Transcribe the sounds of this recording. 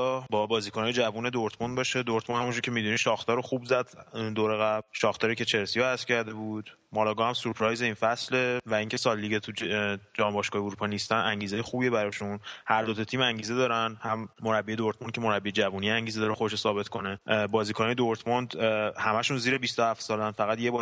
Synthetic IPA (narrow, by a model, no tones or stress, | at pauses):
bɒbɒːziːkʰonɒːjed͡ʒævune̞d̪oɾt̪ʰmond̪bɒːʃed̪oɾt̪ʰmonhæmund͡ʒuɾcʰemid̪uniʃɒːxt̪ʰɒːɾoxubzæd̪d̪oːɾeɣæbʃɒːxt̪ʰɒːɾiːcʰe̞t͡ʃʰe̞ɾsijoæscʰæɾd̪e̞bud̪̥ | mɒːlɒːɡɒhæmsuɾpʰɾɒjze̞infæsle̞væiŋcʰesɒlːiɡet̪ʰud͡ʒɒːmbɒʃkɒːheuɾupʰɒnist̪ænæŋɟiːze̞jexuːbie̞bæɾɒʃunhæɾd̪ot̪ʰɒt̪ʰiːmæŋɟiːze̞d̪ɒːɾænhæmːo̞ɾæbːiːe̞d̪oɾt̪mon̚cʰe̞mo̞ɾæbːied͡ʒævuːnijeæŋɟiːzed̪ɒɾexod̪eʃosɒːbe̞t̪kʰo̞nebɒːziːkʰonijed̪oɾt̪ʰmond̪hæmæʃunziːɾebist̪ohæft̪sɒːlænfæɣæd̪jebɒ